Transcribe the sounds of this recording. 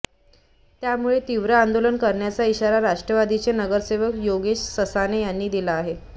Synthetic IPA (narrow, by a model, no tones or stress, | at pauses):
t̪jamuɭet̪iʋɾəand̪olənkəɾɳjat͡saiɕaɾaɾaʂʈɾəʋad̪it͡senəɡəɾseʋəkjoɡeɕsəsanejanːiːd̪ilaːɦe